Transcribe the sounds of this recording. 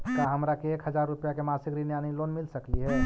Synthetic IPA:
kaɦəmɾakeekɦəd͡ʒaɾːupjakemasikɾinjanilonmilsəkliɦɛ

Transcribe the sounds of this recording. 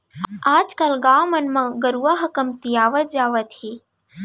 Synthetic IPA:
aːd͡ʒkalɡaːwmɐnmãɡəɾuʋaːɦɐkəmt̪ijaːʋət̪̚d͡ʒaːʋət̪iː

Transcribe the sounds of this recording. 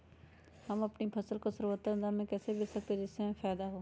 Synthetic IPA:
hɐmɐpnipʰɐsəlkosəɾot̪ːə̃nd̪amẽkɛːsebɪsɐk̚t̪ed͡ʒɪsẽfʰaːd̪aɦoː

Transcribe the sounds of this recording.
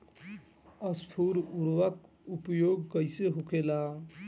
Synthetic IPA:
əspʰuɾuɾʋək | upjoːɡːəjseɦukʰela

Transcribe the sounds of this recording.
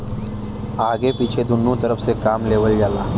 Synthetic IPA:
aɡepit͡ɕʰed̪unːuːt̪əɾəfsekamleʋəld͡ʑala

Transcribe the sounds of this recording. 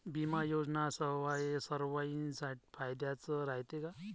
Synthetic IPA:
bimajoːd͡ʒnasəʋajesəɾʋainsaʈpʰajd̪jat͡səɾaɦjt̪eka

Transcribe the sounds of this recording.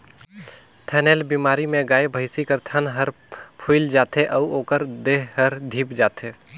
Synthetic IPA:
t̪ʰɛːnelbiːmaːɾimẽɡaːebʱəɪsikəɾt̪ʰənɦəɾ | pʰuɪld͡ʒaːt̪eʔɐuoːkəɾd̪eɦɦɐɾd̪ʱiːpd͡ʒaːt̪ʰeː

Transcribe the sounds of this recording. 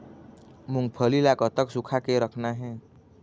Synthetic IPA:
mũŋɡ̚pʰəlilakət̪əksukʰakeɾəkʰnaɦɛ̃ː

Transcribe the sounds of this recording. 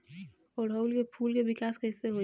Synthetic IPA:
ɔːɾɦɐʊlkepʰuːlkeʋɪkaːskɛːɪseɦo

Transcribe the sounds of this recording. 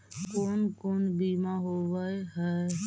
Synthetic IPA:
koːnkonbiːmaɦoʋəeɦɛ

